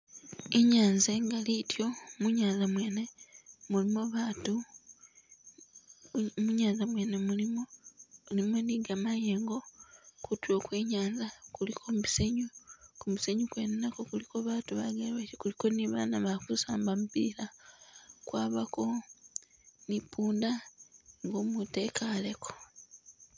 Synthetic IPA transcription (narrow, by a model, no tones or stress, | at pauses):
eɲaːnzeŋɡalitjo̞muɲaːnzamwe̞ːne̞mulimoβatu | muɲaːnzamwe̞ːne̞mulimolimendiɡamaje̞ːŋɡo̞kutwo̞kweːɲaːnzakulikʰomuiseɲukumuseɲukwennakokulikoβaːtuβaɡaleβatikuliko̞niβa̰ːnaβakusaːmbamupḭɾa | kwaːβako̞ | nipuːndaŋɡoːmute̞kʰale̞ko